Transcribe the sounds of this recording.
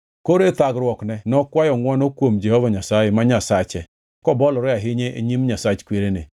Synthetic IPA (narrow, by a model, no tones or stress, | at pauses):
koɾet̪aɡɾwɔknɛnɔkwajɔŋwɔnɔkwomd͡ʒɛhɔvaɲasajemaɲasat͡ʃɛ | kɔbɔlɔɾɛaɦɪɲɛʔeɲimɲasat͡ʃkweɾenɪ